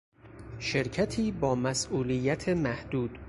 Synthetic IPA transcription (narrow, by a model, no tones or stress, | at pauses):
ʃe̞ɾcʰæt̪ʰiːbɒːmæsʔuːlijːæt̪ʰemæhd̪̥uːd̪̥